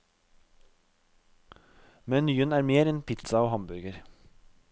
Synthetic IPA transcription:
mɛnnyːənæːɾmeːɾɛnpʰɪt̪sɑoːhɑmbʉɾɡəɾ

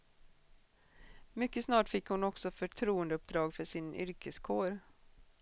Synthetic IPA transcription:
mʏkːəsnɑːʈfɪkːhʊnɔksɔfœʈʰɾuːənd̪əɵp̚d̪ɾɑːɡfœʂɪnʏ̰ɾkʰəskʰoːɾ

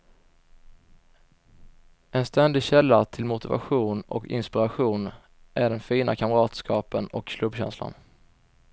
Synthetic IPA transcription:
ɛnst̪ɛnd̪ɪɕɛlːat̪ʰɪlmʊt̪ɪva̰ɧuːnɔ̰kɪ̰nspɪɾaɧuːn | ʔæɖɛnfiːnʔa̰kʰamɾɑːt̪skʰɑːpənɔkʰːlɵbɕɛ̰nsla̰n

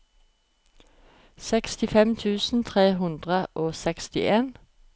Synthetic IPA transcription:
sɛkst̪ɪfɛmt̪ʰʉːsn̩t̪ʰʁeːɦʉnd̪ʁəʔoːsɛkst̪ɪ̰ʔeːn

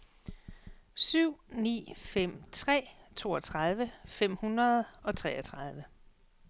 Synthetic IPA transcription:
syʊ̰nḭːfem̰t͡sʰʁɛ̰ːt͡sʰo̝ːɒ̽t͡sʰʁað̞ˠʋəfem̰hunʁɐð̞ˠɒ̽t͡sʰʁɛːɐt͡sʰʁɑ̈ð̞ˠʋə

